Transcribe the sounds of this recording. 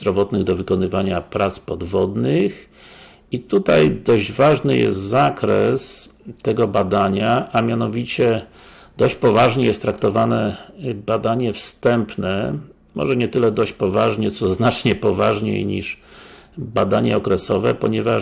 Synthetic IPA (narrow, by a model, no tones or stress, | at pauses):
ɾɔvɔt̪nɘɣd̪ɔvɘkɔnɘvaɲapɾat̪spɔd̪vɔd̪nɘx | it̪ut̪ajd̪ɔʑd͡ʑvaʐnɘjɛ̰st̪zakɾɛs | t̪ɛɡɔbad̪aɲaʔamʲjanɔvʲit͡ɕɛ | d̪ɔɕt͡ɕpɔvaʐɲɛjɛst̪ːɾak̚t̪ɔvanɛbad̪aɲɛfst̪ɛmpnɛ | mɔ̰ʐɛɲɛt̪ɘlɛd̪ɔɕt͡ɕpɔvaʐɲɛt̪sɔznat͡ʂɲɛpɔvaʐɲḛjɲḭʂ | bad̪aɲɛɔkɾɛsɔvɛ̰pɔɲɛva